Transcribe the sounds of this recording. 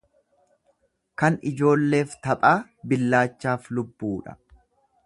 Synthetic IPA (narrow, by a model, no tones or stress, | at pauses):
kɐnɪd͡ʒo̞ːlːe̞ːft̪ɐpʼaː | bɪlːaːt͡ʃːaːflʊbːuːᶑɐ̥̰